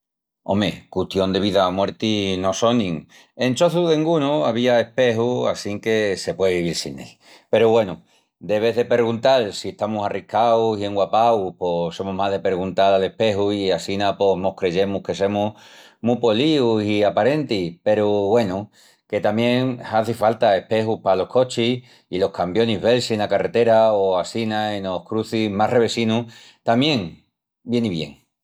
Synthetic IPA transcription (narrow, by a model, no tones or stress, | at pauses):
o̞̰mḛkut̪jo̞nd̪e̞β̞iðamwe̞ɾt̪ino̞so̞nĩŋ | e̞nt͡ʃo̞θuðeŋɡunuaβ̞iae̞hpe̞ɦua̰siŋke̞se̞pwe̞ðeβiβ̞iɾsine̞̰l | pe̞ɾuβwe̞nu | d̪e̞βe̞ðe̞pe̞ɾɣunt̪alsie̞ht̪amusarikawsie̞ŋɡwapaupo̞so̞muɦmaðe̞pe̞ɾɣunt̪alale̞hpe̞ɦuiasinapo̞mo̞hkɾe̞ʝe̞muhke̞se̞mu | mupo̞liusiapaɾe̞nt̪ipe̞ɾuβwe̞nu | ke̞t̪amjẽ̞ŋaθifalt̪ae̞hpe̞xupalo̞hko̞t͡ʃi | ilo̞hkambjo̞niɦβe̞lsienakare̞t̪e̞ɾaoasinaeno̞hkɾuθimare̞βe̞sinu | t̪amje̞ŋ | bje̞niβje̞̰ŋ